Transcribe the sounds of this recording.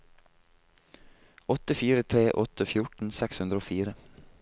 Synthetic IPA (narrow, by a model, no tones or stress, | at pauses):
ɔt̪əfiːɾət̪ʰɾeːʔɔt̪əfjʊʈn̩sɛkshʉnd̪ɾəoːfiːɾə